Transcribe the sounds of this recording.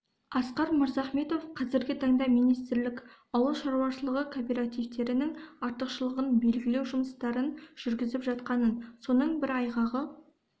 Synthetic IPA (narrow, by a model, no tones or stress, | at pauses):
ɑsqɑɾməɾzɑχme̞t̪o̞fqʰɑzɪɾɡʲɪt̪ʰɑɴd̪ɑmijnijst̪ɪɾlɪk | ɑwəʃɑɾuwɑʃəlˠəʁəkʰopʲeɾat̪ijvt̪e̞ɾɪnɪŋɑɾt̪əqʃəlˠəʁənbe̞lɡʲɪle̞wʒʊməst̪ɑɾənʒ̥ʏɾɡʲɪzɪpʒɑt̪qɑnənso̞nəɴbɪɾɑjʁɑʁə